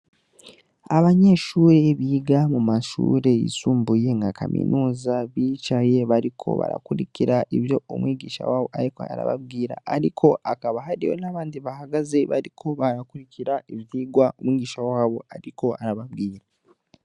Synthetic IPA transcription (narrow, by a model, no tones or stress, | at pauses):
aβaɲe̞ːʃuːɾe̞βiɡamumaʃṵːɾe̞ḭsuːmbuje̞ŋɡakʰa̰mḭnʔuːzaβiːt͡ʃaje̞βaɾikʰo̞̰βa̰ɾa̰kuɾiciɾaʔiβjo̞ːmwiːɡiːʃa̰waːβo̞aɾiko̰a̰ɾa̰βa̰bɡiːɾa̰aɾikʰo̞ʔakaβaɦaɾijo̞̰naːβaːndiβahaɡaze̞βa̰ɾikʰo̞βaɾakuɾicʰiɾaiβjiːɡwaomwiːɡiːʃawaːβo̞aɾiko̞aɾaβabɡiːɾa